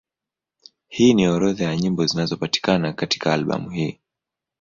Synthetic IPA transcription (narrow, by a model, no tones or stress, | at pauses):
hiːniɔɾɔðajaɲimbɔzinazɔpati̥kanakati̥kaːlɓa̰muhiː